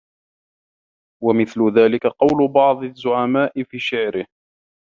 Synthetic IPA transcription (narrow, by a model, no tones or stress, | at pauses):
wamɪθlʊðaːlɪkaqɑwlʊbɑʕd̪ˤɪzːʊʕamaːʔɪfiːʃɪʕɾɪh